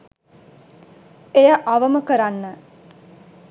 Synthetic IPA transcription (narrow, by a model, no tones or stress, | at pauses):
ejəʔaʋəməkəɾanːə